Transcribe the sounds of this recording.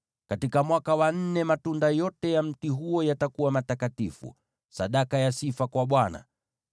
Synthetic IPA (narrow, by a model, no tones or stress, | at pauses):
katikamwakawan̩nɛmatundajɔtɛjam̩tiɦujɔjatakuwamatakatifṵ | saɗakajasifakwaɓwana̰